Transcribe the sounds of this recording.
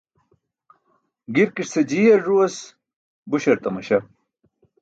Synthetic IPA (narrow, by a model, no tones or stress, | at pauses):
ɡiɾkiʂsɐd͡ʑijɐɾʐuɐs | buɕɐɾt̪ɐmɐɕɐ